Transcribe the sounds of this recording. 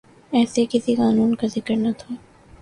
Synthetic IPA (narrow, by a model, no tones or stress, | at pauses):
ɛːsekɪsikaːnuːnkazɪkəɾnɐt̪ʰoː